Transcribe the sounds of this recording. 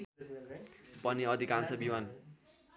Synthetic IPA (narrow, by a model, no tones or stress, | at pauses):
pʌniʌd̪ʱikant͡sʰʌbiman